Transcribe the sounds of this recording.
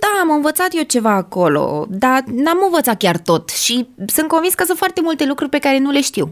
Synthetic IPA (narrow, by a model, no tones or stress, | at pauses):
d̪aːməɨnvət̪sat̪je̞t͡ʃe̞vaːko̞lo̞̰d̪anamɨnvət̪sat̪̚kʲart̪o̞t̪ʃisɨn̚ko̞nvinskəsɨnt̪fart̪e̞mult̪e̞lukɾurʲpe̞kaɾe̞nule̞ʃt̪iw